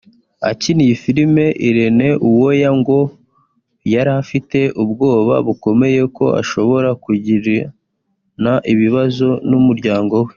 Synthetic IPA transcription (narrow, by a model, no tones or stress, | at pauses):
a̰cinijifiɾime̞ʔiɾene̞ʔuwo̞jaŋɡo̞ | jaɾafite̞ʔubɡo̞ːβa̰βuko̞me̞je̞ko̞̰a̰ʃo̞βo̞ɾakuɟiɾi | naʔiβiβazo̞numuɾɟaːŋɡo̞we̞